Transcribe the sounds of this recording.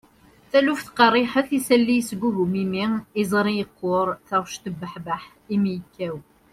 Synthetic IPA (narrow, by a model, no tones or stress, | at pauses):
θælufθqɑrˤːiħəθisælːijsɡʷːuɦumimiizˤɾˤijəqːoɾˤθaʁʃt̪əbəħbaħ | imijəkːæw